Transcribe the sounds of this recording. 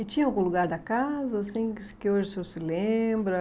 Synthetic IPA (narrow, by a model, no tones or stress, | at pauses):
ɪt͡ʃĩɲɐawɡũluɡaɾd̪ɐkazɐːsĩkɪoʒɪseosɪlẽmbɾɐ